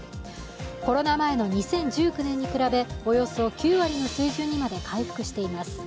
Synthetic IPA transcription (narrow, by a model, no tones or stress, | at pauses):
ko̞ɾo̞namae̞no̞ɲ̟isẽ̞ɲ̟d͡ʑɨːkɯ̟nẽ̞ɲ̟ːikɯ̟ɾabe̞o̞jo̞so̞kʲɨːβaɾʲino̞sɨːʑɨːɲ̟imad̪e̞kaiɸɯ̥kɯ̟ɕi̥t̪e̞imasɨ̥